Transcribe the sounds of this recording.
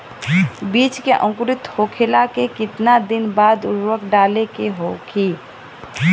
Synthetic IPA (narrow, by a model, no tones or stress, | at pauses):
biːt͡ʃkeʔə̃ŋkɾɪt̪hokʰelakekɪt̪nad̪ɪnbaːd̪ʊɾwəkɖaːlekeɦokʰi